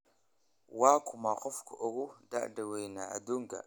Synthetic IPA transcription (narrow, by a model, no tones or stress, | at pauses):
wakumaqufkuʔuɣuda̰ʔdawejnaa̰duŋɡa̰